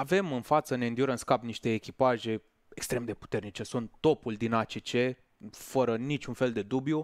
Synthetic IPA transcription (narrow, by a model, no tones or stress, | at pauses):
ave̞mɨnfat̪səneɨnd̪joɾənskapniʃt̪e̞ːkʲipaʒe̞ | ekst̪ɾe̞md̪e̞pu̥t̪e̞rnit͡ʃe̞sunt̪ːo̞puld̪inat͡ʃet͡ʃe̞ | fəɾənit͡ʃʲunfe̞ld̪e̞d̪ubju